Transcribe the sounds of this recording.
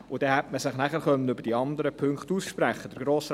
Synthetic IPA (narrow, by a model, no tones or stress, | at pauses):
ʊd̥ɛhɛtməsɪχnæχəɾχœnːənʏbəɾd̥iɑnd̪əɾəpʰʏŋkχtuːsʃpɾæχːəd̥əɾɡ̥ɾoːs